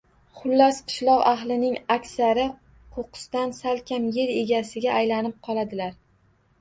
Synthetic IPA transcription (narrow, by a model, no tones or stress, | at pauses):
χʊlːasqʰɨ̥ʃlˠɒqaɦlˠɪnɪŋakʲsaɾɪ | qʰoqɨ̥st̪ansalkʲʰamje̞ɾe̞ɡʲasɪɡʲaːjlanɪp̚qʰɒlˠad̪ɪlaɾ